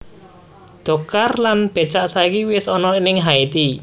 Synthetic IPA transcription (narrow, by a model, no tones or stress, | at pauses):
d̪̥o̤karlanb̥e̤t͡ʃaʔsaikiwɪsɔnɔinɪŋɦait̪i